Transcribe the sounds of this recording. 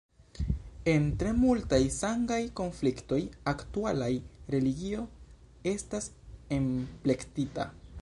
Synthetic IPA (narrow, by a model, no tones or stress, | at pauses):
e̞ntɾe̞multajsaŋɡajko̞nflikto̞jaktualajɾe̞liɡio̞ | e̞stas | e̞mple̞ktita̰